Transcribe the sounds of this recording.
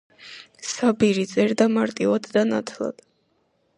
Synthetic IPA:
sabiɾit̪sʼɛɾd̪amaɾt̪ʼivad̪ːanat̪ʰlˠa̰d̪̥

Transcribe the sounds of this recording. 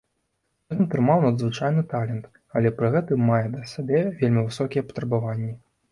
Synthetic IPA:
ɛɨnt̪ɾɨmawnɐd̪zvɨt͡ʂajnɨt̪alʲɛnt̪ | ɐlʲɛpɾɨɣɛt̪ɨmːajɛd̪ɐsʲabʲɛvʲelʲmʲivɨsɔkʲijɛpɐ̥t̪ɾɐbavanʲːi

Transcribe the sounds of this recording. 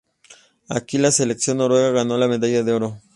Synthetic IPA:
a̰kilaseleksjo̞nːoɾweɣaɣanolameðaʝaðeoɾo

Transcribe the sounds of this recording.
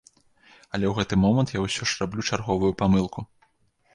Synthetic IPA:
ɐlʲɛwɣɛt̪ɨmɔmɐnt̪jawsʲɔʂrablʲut͡ʂarɣɔvujupamɨlˠkʰu

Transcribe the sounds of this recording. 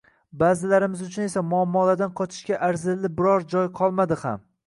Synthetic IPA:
bazɪlaɾɪmɪzʊt͡ʃʰʊne̞samʊamːɒlad̪anqʰɒt͡ʃ̪ʰɪ̥ʃkʲaʔaɾzɪlːɪbɪɾɒɾd͡ʒɒjqʰɒlˠmad̪ɪha̰m

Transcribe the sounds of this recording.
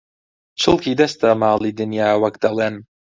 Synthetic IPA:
t͡ʃəlˠkid̪ɛst̪amaːlˠid̪injawakd̪alɛn

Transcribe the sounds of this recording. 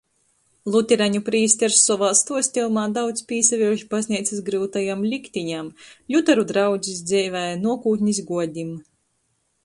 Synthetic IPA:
lˠut̪ʲiɾaɲupɾiːsʲt̪ʲɛɾsːɔvalˠst̪uɔsʲt̪ʲilˠmaːd̪awt̪spʲiːsavʲiʒipazʲnʲiɛt̪sisɡɾɨːt̪ajamlʲikt̪ʲiɲamlʲut̪aɾud̪ɾawd̪zʲis̬d̪zʲɛjvɛjnuɔkuːt̪ʲɲʲis̬ɡuɔd̪ʲim

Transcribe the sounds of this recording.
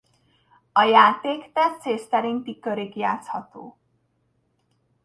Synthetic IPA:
ʌjat̪ekt̪at͡sest̪aɾiŋt̪ikːʌɾekiat͡sʰʌt̪o̰

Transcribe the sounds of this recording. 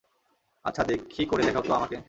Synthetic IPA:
a̰tːt͡ɕʰad̪ekʰːikoɾed̪ɛkʰat̪oamake

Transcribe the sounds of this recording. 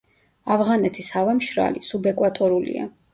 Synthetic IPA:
avʁanɛt̪ʰisavɛmʃɾa̰lisubɛkʼwat̪ʼɔɾulḭa̰

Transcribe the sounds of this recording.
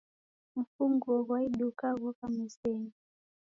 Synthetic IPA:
m̩fuŋɡɔɣwaiɗukaɣɔkamiseŋi

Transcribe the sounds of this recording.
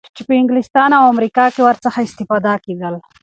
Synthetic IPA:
t͡ʃepəɪŋɡlɪst̪ɑːnawamɾikɑkewaɾt͡saxaɪst̪ifaːd̪akeɡ̪əl

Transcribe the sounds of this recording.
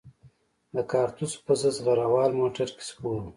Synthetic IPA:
d̪əkɑːɾt̪uspəzəzɣaɾawɑːlmoːʈaɾke̥spoːɾu

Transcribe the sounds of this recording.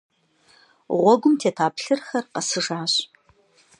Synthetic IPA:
ʁʷɔɡʷʊmtʰeːtʰaːpɬɨrxɐrqɐsɨʐaːɕ

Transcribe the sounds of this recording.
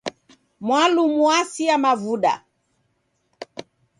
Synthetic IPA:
mwalumuasiamavuɗa̰

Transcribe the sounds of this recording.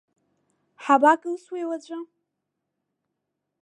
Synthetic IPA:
ħabakʼɨlswewat͡ɕʷʼa

